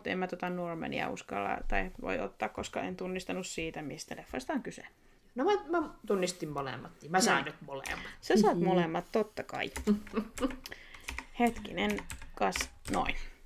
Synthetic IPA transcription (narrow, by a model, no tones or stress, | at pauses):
t̪ḛmmæt̪ot̪ɑnnuormḛnḭæ̰ṵskɑ̰lːɑ̰t̪ɑit̪ʋo̰io̰t̪ːɑːkkoskɑent̪unːist̪ɑnussiːt̪æmist̪ælefːɑist̪ɑŋkyse | nomæmæt̪unːist̪immolḛˑmːˑɑt̪nimæsɑˑːnnyt̪molḛmːˑɑt̪sesɑːt̪molemːɑt̪t̪ot̪ːɑkɑ̰i | het̪kinenkɑsno̰in